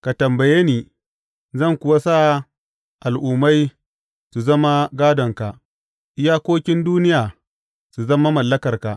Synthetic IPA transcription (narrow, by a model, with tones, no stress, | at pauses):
ka˨tɐ˨mbɐ˨jeː˦niː˨ | zɐ˦˨ŋkʷʊ˨wa˦saː˦˨ | ʔa˨lʔuː˨ma˦j | su˨zɐ˦ma˦ɡaː˦dɔ˨ŋka˨ʔ | ʔɪ˦jaː˦kʷoː˦kʲɪ˦nduː˦nɪ˦jaː˨ | su˨zɐ˦ma˦mɐ˨lːɐ˦kɐ˨rka˨ʔ